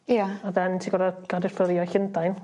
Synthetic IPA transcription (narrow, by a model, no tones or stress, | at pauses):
jaaðɛntʰiɡɔɾaɡ̥adɪfləɾɪɔɬɪndajn